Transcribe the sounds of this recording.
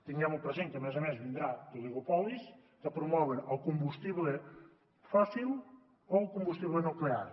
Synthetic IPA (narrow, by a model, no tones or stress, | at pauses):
t̪iɲɛmupɾɐʒẽnk̪ɐmezɐmenʒvĩnd̪ɾat̪ulˠiɣopɔlˠiʃ | kɐpɾumɔβeɾawkõmbuʃt̪iβlˠe | fasilˠ | oɐwkõmbuʃt̪iβlˠenukleaɾ